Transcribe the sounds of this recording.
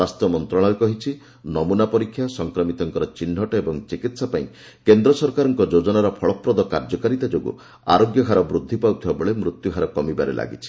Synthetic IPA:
ast̪ɔmɔnt̪ɾɔɭ̃alkɔɦit͡ʃʰi | nɔmunapɔɾikʰːjasɔŋkɾɔmit̪ɔŋkɔɾɔt͡ʃin̤ːɦɔʈɔebɔŋt͡ʃikit̪sapaĩ | kend̪ɾɔsɔɾkaɾɔŋkɔd͡ʒod͡ʒɔnaɾɔpʰɔɭɔpɾɔd̪ɔkaɾd͡ʒɔkaɾit̪ad͡ʒoɡṵ | a̰ɾoɡjɔkʰaɾɔbɾud̪ʱːipawt̪ʰibabɔɭemɾut̪juɦʰaɾɔkɔmibaɾḛlʔa̰ɡḭt͡ʃʰi̥

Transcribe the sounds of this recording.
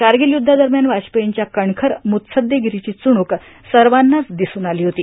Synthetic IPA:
kaɾɡiljud̪ʱːad̪əɾmjanʋaɕpəjiɲt͡ɕjakəɳkʰəɾmut̪səd̪ʱjeɡiɾit͡ɕiːt͡suɽ̃uk | səɾʋanːat͡sd̪isuːnaliːɦot̪iː

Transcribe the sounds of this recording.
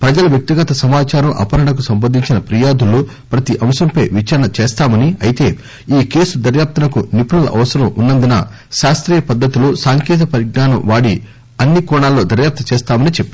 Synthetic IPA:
pɾɐd͡ʒɐlɐʋjɐk̚t̪iɡɐt̪ɐsɐmaːt͡ʃaːɾɐmʔɐ̰pɐɾɐɳɐk̬usɐmbɐnd̪ʱiɲt͡ʃinɐpɾijaːd̪ulːu | pɾɐt̪iʔɐmsɐmpɐjʋit͡ʃaːɾɐɳɐt͡ʃɛːst̪aːmɐniɐjit̪e̞ː | iːke̞ːsud̪ɐɾjaːp̚t̪ɐnɐkunipunɐlɐ̰ʔɐ̰ʋɐsɐɾɐmunːɐnd̪inɐ̰ | ʃaːst̪ɾiːjɐpɐd̪ːɐt̪ulusaːŋkɛːt̪̬ɐpɐɾiɡnaːnɐmʋaːɽi | ɐnːikɔːɳaːlːo̞ːd̪ɐɾjaːp̚t̪ɐt͡ʃɛːst̪aːmɐnit͡ʃepːi

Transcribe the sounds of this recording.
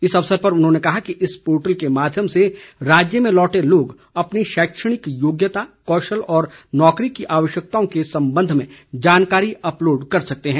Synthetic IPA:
ɪsɐʋsəɾpɐɾʊnɦõnekɐɦakiʔɪspoːɾʈəlkemaːd̪ʱjəmseɾaːd͡ʒjəmẽlɔːʈeloːɡ | ɐpniʃɛːkʃəɽ̃ɪkjoːɡjət̪akɔːʃəlɔːɾnɔːkɾikiʔaːʋəʃjək̚t̪aõkesɐ̃mbə̃nd̪ʱmẽd͡ʒaːnkaːɾiʔɐploːɖkɐɾsɐk̚t̪eɦɛ̃ː

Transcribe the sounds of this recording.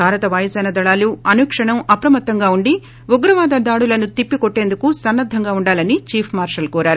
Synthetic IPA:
bʱaːɾɐt̪ɐʋɐjɐsɐːnɐd̪ɐɭaːluɐnuːkʂɐɳɐmɐpɾɐmɐt̪ːɐŋɡaːuɳɖi | uɡɾɐʋaːd̪ɐd̪aːɽulɐnut̪ipːikɔʈːe̞ːnd̪ukusɐnːɐd̪ʱːɐŋɡaːuɳɖaːlɐnit͡ʃiːpʰmaːɾʂɐlkɔːɾaːɾu

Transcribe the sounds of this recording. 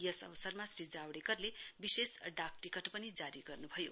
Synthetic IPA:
jʌsʌ̰bsʌrmasrid͡zawɽekʌrlebisesɖak̚ʈikʌʈpʌnid͡zaɾiɡʌrnubʱʌjo̰

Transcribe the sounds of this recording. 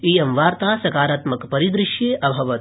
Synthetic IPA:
iːjɐmʋaːɾt̪aːsɐkaːɾaːt̪mɐkpɐɾid̪ɾɪʃjeːʔɐbʱɐʋɐ

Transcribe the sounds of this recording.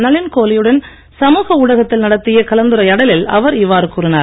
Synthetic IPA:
nɐɭɪnkoːlɪjɯɽɐn | sɐmuːɣɐʊːɽɐɣɐt̪ːɪlnɐɽɐt̪ːɪjɐkɐlɐnd̪ɯɾɐɪɐɽɐlɪlɐ̰ʋɐɾɪʋːaːɾɯkuːɾɪnaː

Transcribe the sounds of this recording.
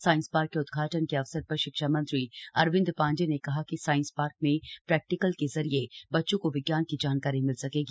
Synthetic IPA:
saːɪ̃nspaːɾkːeʊd̪ɡʱaːʈənkeɐfsəɾpɐɾʃɪkʃaːmɐ̃nt̪ɾiɐɾʋɪ̃nd̪pãːɲd͡ʒenekɐɦakisaːɪ̃nspaːɾk̚mẽpɾɛːk̚ʈɪkəlkezɐɾiebɐtːʃõkoʋɪɡjaːnkid͡ʒaːnkaːɾimɪlsɐkeːɡiː

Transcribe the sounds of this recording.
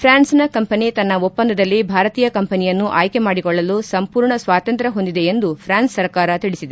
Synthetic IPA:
pʰɾaːnsnɐkɐmpɐnit̪ɐnːɐopːɐnd̪ɐd̪ɐlːibʱaːɾɐt̪iːjɐkɐmpɐnijɐnːuʔaːjke̞maːɽikɔɭːɐlusɐmpuːɾɳɐsʋaːt̪ɐnt̪ɾɐɦo̞nd̪id̪eend̪upʰɾaːnsːɐɾkaːɾɐt̪iɭisid̪e

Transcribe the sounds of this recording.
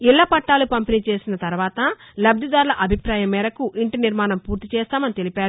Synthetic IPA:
iɭːɐpɐʈːaːlupɐmpinit͡ʃe̞ːsinɐt̪ɐɾuʋaːt̪ɐ | lɐb̚d̪ʱid̪aːɾlɐʔɐbʱipɾaːjɐmːɛːɾɐkuʔiɳʈiniɾmaːnɐmpuːɾt̪it͡ʃɛːst̪aːmɐnit̪e̞lipaːɾu

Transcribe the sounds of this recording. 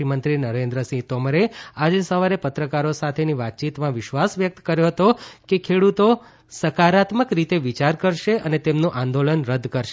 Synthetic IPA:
imənt̪ɾinəɾẽnd̪ɾəsit̪oməɾead͡ʒesəʋaɾepət̪ɾəkaɾosat̪ʰeniʋat̪̚t͡ʃit̪mãʋɪʃʋasʋjək̚t̪kəɾjoɦət̪okekʰeɽut̪o | səkaɾat̪məkɾit̪eʋit͡ʃaɾkəɾʃeʔənet̪emnũʔãnd̪olənɾəd̪ʱkəɾʃe

